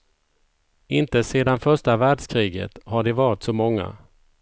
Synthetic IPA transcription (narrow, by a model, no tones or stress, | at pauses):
ɪnt̪əseːd̪anfœʂʈavæːɖʂkʰɾiːɡə̰t̪haɖɪvɑːɾɪt̪sɔmɔŋːa̰